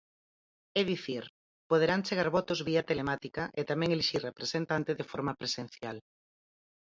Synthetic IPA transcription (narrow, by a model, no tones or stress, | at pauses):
eðiθiɾ | poð̞eɾant͡ʃeɣaɾβɔt̪ʊzβiat̪elemat̪ikɐʔet̪amɛ̃ŋeliʃirrepɾesent̪ant̪eðefɔɾmapɾesẽn̟θjal